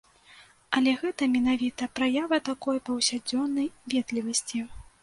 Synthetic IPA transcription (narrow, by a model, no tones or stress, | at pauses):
ɐlʲɛɣɛt̪ɐmʲɛn̪avʲit̪ɐpɾajavɐt̪akɔjpɐwsʲad͡zʲɔnːɐjvʲɛd̪lʲivɐsʲt͡sʲi